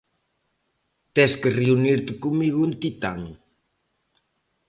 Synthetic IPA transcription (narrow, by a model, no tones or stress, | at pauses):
t̪ɛskereuniɾt̪ɪkumiɣʊent̪it̪aŋ